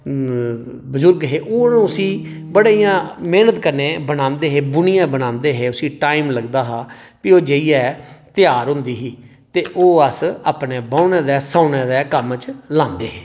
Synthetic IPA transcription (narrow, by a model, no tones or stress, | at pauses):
bʊzʊɾɡɦeːʔoːũːʊsiːbəɽaːijãːmeːnət̪kəɾneːbənãːnd̪eːɦeːbʊnɪjãːbənãːnd̪eːɦeːʊsĩːʈaːiːmləɡd̪aːɦaː | pioːd͡ʒeiɛːt̪ɪjaːɾɦʊ̃nd̪iːɦiː | t̪eːʔoːəsaːpneːbaːʊnɛ̃ːd̪ɛːsãːʊnɛ̃ːd̪ɛːkəmt͡ʃlãːnd̪eːɦeː